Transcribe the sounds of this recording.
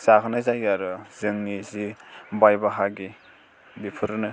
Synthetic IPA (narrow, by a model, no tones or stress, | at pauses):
sakʰɯnazajaɾɯzɯŋnizibajbaɦaɡi | bipʰɯɾɯnɯ